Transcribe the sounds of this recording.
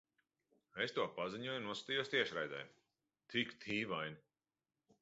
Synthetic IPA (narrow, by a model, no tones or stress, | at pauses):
est̪uɔpaziɲuɔjunuɔsḁt̪ijuɔst̪iɛʃɾajd̪a̰jm | t̪ikt̪ʰiːvajnʲi